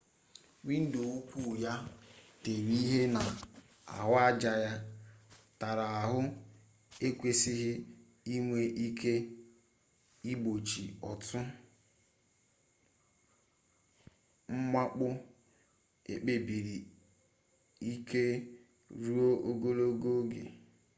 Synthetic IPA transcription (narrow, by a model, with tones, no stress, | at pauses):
wi˦n̩˦do˨wu˦kʷu˦˨ja˦te˨wi˦i˦ɦe˦na˨ | a̰˨ɦʊ˦a˦d͡ʒa˨ja˦ | ta˨ɾa˨a˨ɦʊ˦ | e˦kʷe˦sɪ˦ɦɪ˦ | i˦ŋʷe˦ʔi˦kʰe˦ | i˦bo˨t͡ʃi˨ɔ˨tʰʊ˦ | ŋ͡m̩˦ma˦k͡pʊ˦ | ḛ˨k͡pe˨bi˨ɾi˨ | i˦kʰe˦ | ɾu˦o˦ʔo˦ɡo˦lo˦ɡo˦ɡḛ˨